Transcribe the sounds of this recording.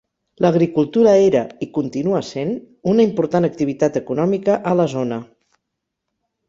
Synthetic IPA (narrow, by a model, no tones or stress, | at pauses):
ləɣɾikulˠt̪uɾəeɾəikunt̪inuəsen | unəimpuɾt̪anək̚t̪iβ̞it̪at̪əkunɔmikəʔələzonə